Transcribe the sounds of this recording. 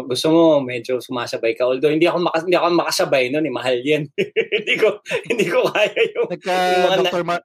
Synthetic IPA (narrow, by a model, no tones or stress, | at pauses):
ɡʊst̪omo̞mɛːd͡ʒosʊmaːsɐbajkɐʔʊld̪ohɪnd̪iɐkomɐkɐɪnd̪iːɐkomɐkɐsɐbajnonɪmɐɦaljɐnhɪnd̪iːkohɪnd̪iːkokaːjɐjʊŋmɐŋa